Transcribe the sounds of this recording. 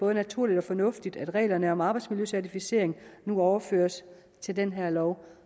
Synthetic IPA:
b̥ɔ̽ːð̞ənæt͡sʰuɐ̰lid̥ɒ̽fɒ̽nɔ̽fd̥id̥æd̥ʁɛ̰ːlɐnəɒ̽mɑ̈ːb̥ɑ̈ɪd̥smiljøsæɐt͡sʰifise̝̰ɐ̰eŋnuɒʊɐfø̰ːɐs | t͡sʰe̝ld̥enɦeɐ̰lɒʊ

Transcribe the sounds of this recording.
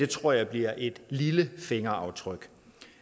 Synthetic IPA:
e̝t͡sʰʁo̝ɐ̰jɑ̈ɪb̥liɐ̰ʔe̝d̥liləfe̝ŋɐɑ̈ʊt͡sʰʁœɡ̥

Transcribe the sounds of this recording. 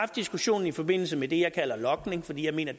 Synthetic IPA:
fd̥isɡ̥uɕo̝̰ːn̩ifɒ̽be̝n̰l̩səmed̥e̝jɑ̈ɪkʰæl̰ɐlɒ̽ɡ̥ne̝ŋfɒ̽d̥ḭjɪme̝̰ːnɐd̥

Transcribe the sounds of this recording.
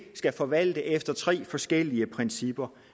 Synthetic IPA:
sɡ̥æfɒ̽ʋæl̰d̥əʔefd̥ɐt͡sʰʁɛ̰ːfɒ̽sɡ̥el̰iəpʰʁɛnsib̥ɐ

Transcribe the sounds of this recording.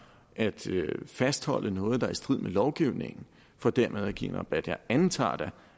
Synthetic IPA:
ʔæd̥fæsd̥hɒ̽l̰ʔənɔ̽ːð̞̩ˠd̥ɑ̈æɐsd̥ʁið̞̰ˠmʔelɒʊɡ̥iʊne̝ŋn̩ | fɒ̽d̥æɐ̰með̞ˠæɡ̥ḭːnɑb̥æd̥jɑɪænt͡sʰɑ̰̈ːd̥æ

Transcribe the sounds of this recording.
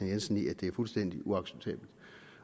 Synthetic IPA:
ænjensn̩iæd̥e̝æɐfulsd̥en̰d̥iʔuɑ̈ɡ̥seb̥̚t͡sʰɛ̰ːb̥l̩d̥

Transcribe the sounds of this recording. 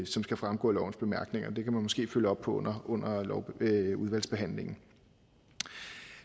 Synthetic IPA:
sɒ̽msɡ̥æfʁämɡ̥ɔ̰ːlɒʊn̩sb̥e̝mæɐɡ̥ne̝ŋɐd̥e̝kʰæmænmɒ̽sɡ̥e̝̰ːføləɒ̽b̥pʰɒ̽ɔn̰ɐɔ̽n̰ɐlɒʊuð̞ˠʋæl̰sb̥e̝ɦæn̰le̝ŋn̩

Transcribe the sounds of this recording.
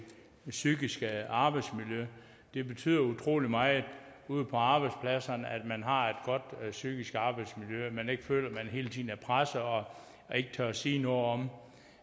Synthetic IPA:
syɡ̥isɡ̥əɑ̈b̥ɑ̈ɪd̥smiljø | d̥e̝b̥e̝t͡sʰy̰ːðˠɐut͡sʰʁo̝̰ːlimɑ̈ɪuːð̞̰ˠpʰɒ̽ɑ̈ːb̥ɑ̈ɪd̥spʰlæsɐnæd̥mænɦɑ̈e̝d̥ɡ̥ɒ̽d̥syɡ̥isɡ̥ɑ̈ːb̥ɑɪd̥smiljøæmæne̝ɡ̥əfø̰ːl̰ɐmænɦe̝ːlət͡sʰḭːðˠn̩æɐpʰʁasɐɒ̽ | e̝ɡ̥ət͡sʰøɐsḭːnɔ̽ð̩ˠɒ̽m

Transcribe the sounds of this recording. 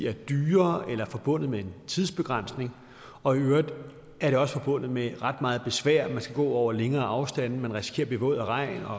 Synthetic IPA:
æɐd̥yːɐʔelɐfɒ̽b̥ɔ̽n̰ð̞̩ˠmee̝nt͡sʰiðˠsb̥e̝ɡ̥ʁɑn̰sne̝ŋ | ɒ̽iøːɐɐd̥ | æɐɾ̥e̝ɒ̽sfɒ̽b̥ɔ̽n̰ð̩ˠmeʁɑ̈d̥mɑ̈ːð̞̩ˠb̥e̝sʋæɐ̰mænsɡ̥æɡ̥ɔ̰ːɒʊ̰ɐleŋɐːʔɑ̈ʊsd̥æn̰n̩mænʁisi̥kʰe̝̰ːɐb̥e̝ʋɔ̰̽ːð̰ˠɐʁɑ̈ɪ̰nɒ̽

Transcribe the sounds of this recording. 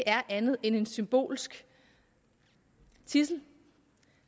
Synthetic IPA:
ʔæɐʔænð̩ˠene̝nsymb̥o̝̰ːlsɡ̥ | t͡sʰisl̩

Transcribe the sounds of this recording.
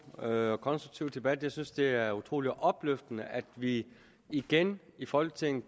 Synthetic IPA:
økʰɒ̽nsd̥ʁuɡ̥̚t͡sʰiʊ̰d̥e̝b̥æd̥jɑɪsynsd̥e̝æɐut͡sʰʁo̝̰ːliʔɒ̽b̥løfd̥ənəʔæd̥ʋi | iɡ̥enifɒ̽l̰ɡ̥ət͡sʰe̝ŋ̰̩

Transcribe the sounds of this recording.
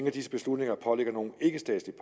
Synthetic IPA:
ŋæd̥isəb̥e̝slud̥ne̝ŋɐpʰɒ̽leɡ̥ɐno̝ːn̩e̝ɡ̥əsd̥ɛ̰ːdslipʰ

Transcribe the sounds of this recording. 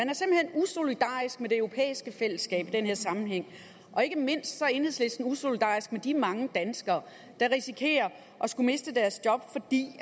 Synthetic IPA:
mænæɐsimb̥l̩henuso̝lid̥ɑ̰̈ːisɡ̥mede̝øʊʁo̝pʰḛːisɡ̥əfel̰əsːɡ̥ɛ̰ːb̥id̥enhe̝ɐ̰sɑ̈mn̩ɦeŋ̰ | ʔɒ̽e̝ɡ̥əme̝n̰sd̥sɒ̽e̝nhesle̝sd̥n̩uso̝lid̥ɑ̰̈ːisɡ̥̚med̥imɑ̈ŋəd̥ænsɡ̥ɐː | d̥ɑ̈ʁisikʰe̝̰ːɐ | ʔɒ̽sɡ̥ume̝sd̥əd̥æɐsd̥jɒ̽b̥fɒ̽d̥ḭː

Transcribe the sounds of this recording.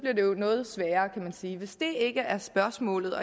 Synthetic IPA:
b̥liɐde̝onɔ̽ːð̞̩ˠsʋɛːɐːkʰæmænsiːʋe̝sd̥e̝e̝ɡ̥əʔæɐsb̥ɶɐsmɔ̰ːlð̞̩ˠɒ̽

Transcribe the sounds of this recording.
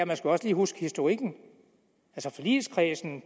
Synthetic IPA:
æmænsɡ̥uɒ̽sliːɦusɡ̥ə̥hisd̥oʁiɡ̥n̩ | ælsəfɒlḭːl̩skʰʁɛːsn̩

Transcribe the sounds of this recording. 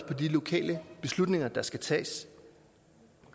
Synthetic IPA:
pʰɒ̽dilo̝kʰɛ̰ːləb̥e̝slud̥ne̝ŋɐd̥ɑ̈sɡ̥æt͡sʰɛ̰ːs

